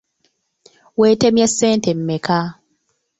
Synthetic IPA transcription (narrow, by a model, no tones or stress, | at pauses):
weːtemjasːeːntem̩meka